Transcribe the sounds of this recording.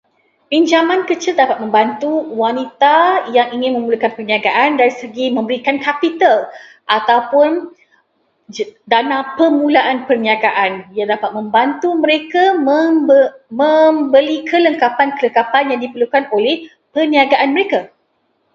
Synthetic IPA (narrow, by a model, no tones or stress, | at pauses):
piɲd͡ʒamãnkət͡ʃɪldapat̪̚mə̃mbant̪uwanit̪ajaŋiŋɪ̃nmə̃mulukanpərniaɡaʔandaɾisəɡimə̃mbəɾikankapit̪al | ʔat̪awpʊn | danãpəmũlaʔanpərniaɡaʔanjadapat̪̚mə̃mbant̪umə̃ɾekamə | mə̃mbəlikʰələŋkapankələŋkapanjaŋdipərlukanolɛh | pərniaɡaʔanməɾeka